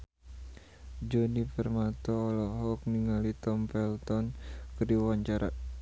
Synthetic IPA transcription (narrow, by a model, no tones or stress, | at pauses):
d͡ʒɔnipərmat̪ɔːlɔɦɔk̚niŋalit̪ɔmpɛlt̪ɔnkədiwaɲt͡ʃaɾa̰